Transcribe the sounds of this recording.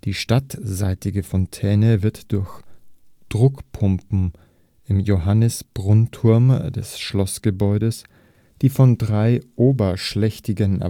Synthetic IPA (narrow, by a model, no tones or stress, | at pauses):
d̥iːʃtatzaɪtɪɡəfɔntʰɛːnəvɪɐtd̥ʊɐç | d̥ʁʊkpʰʊmpm̩ | ʔɪmjoɦanəsb̥ʁʊntʰʊɐmd̥ɛ̰sʃlɔsɡ̥əbɔʏɾəs | d̥iːfɔndʁaɪʔoːbɐʃlɛçtɪɡənɛ̰